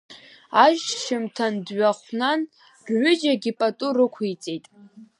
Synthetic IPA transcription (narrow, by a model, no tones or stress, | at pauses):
aʒʃɪmtʰandɥaχʷnan | rʕʷʊd͡ʒaɡʲipʼatʼʊrɨkʷʰit͡sʼejtʼ